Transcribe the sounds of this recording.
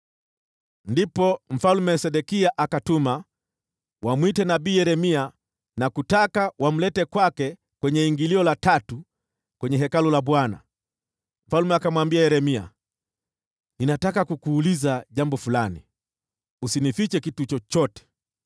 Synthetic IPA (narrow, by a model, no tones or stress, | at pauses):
ndipɔm̩falumɛsɛɗɛkiaʔakatuma | wamwitɛnabiːjɛɾɛmia | nakutakawam̩lɛtɛkwakɛ | kwɛɲɛiŋɡiliɔlatatu | kwɛɲɛɦɛkalulaɓwana̰ | m̩falumɛakamwambiajɛɾɛmia̰ | ninatakakukuːlizaʄambɔfulani | usinifit͡ʃɛkitut͡ʃɔt͡ʃɔtɛ̥